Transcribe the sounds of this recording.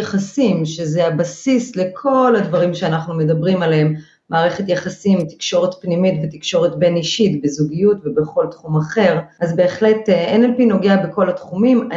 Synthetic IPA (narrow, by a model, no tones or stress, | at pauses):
eχasimʃezeabasisle̞kʰo̞lhadvaʁimʃeanaχnume̞dabʁimaleemː | aːʁe̞χe̞tjaχasimti̥kʃo̞ʁe̞tpnimitvetikʃo̞ʁetbe̞niʃitbezuɡijutvebeχo̞ltχumaχe̞ʁʔazbe̞ːχle̞teenelpino̞ɡeabeko̞latχumima